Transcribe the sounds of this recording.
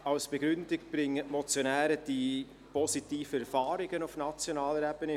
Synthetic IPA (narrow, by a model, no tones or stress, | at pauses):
ɑlsb̥eɡɾʏndɪkb̥ɾɪŋːətmɔt͡sjonæːɾəd̥i | pɔsitiːfəɛɾfɑːɾɪɡ̥ənʊfnɑt͡sjonɑːləɾɛb̥əne